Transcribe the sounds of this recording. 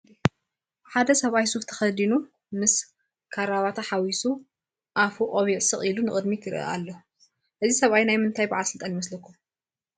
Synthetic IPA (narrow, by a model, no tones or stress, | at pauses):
ħad̪ɐsɐβajsuft̪ʰɐ̥xɐd̪inu | mɨs | kʰaɾaβat̪ʰaħawisu | ʔafuʔʼoβiʕsɨχʼilunɨχʼɨd̪mik̪ʰɨɾɨ̰ʔa̰lːo | ʔɨzisɐβajnajmɨnt̪ʰajbaʕalsɨlt̪ʼanjimɐslɐkʰːum